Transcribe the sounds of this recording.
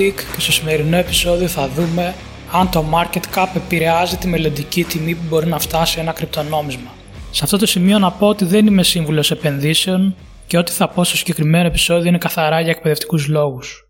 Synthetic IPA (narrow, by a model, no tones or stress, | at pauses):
ikce̞st̪o̞sime̞ɾino̞e̞pi̥so̞ðio̞θɐðume̞ | ɐnt̪o̞mɐɾce̞t̪kɐpe̞piɾe̞ɐzit̪ime̞lo̞nd̪icit̪imipubo̞ɾinɐft̪ɐsie̞nɐkɾip̚t̪o̞no̞mizmɐ | sɐft̪o̞t̪o̞simio̞nɐpo̞ot̪iðe̞nime̞siɱvulo̞se̞pe̞nðise̞o̞n | ce̞o̞t̪i̥θɐpo̞st̪osiɲɟekɾime̞no̞epi̥so̞ðio̞inekɐθɐɾɐʝɐek̚pe̞ðe̞ft̪i̥kuzlo̞ɣus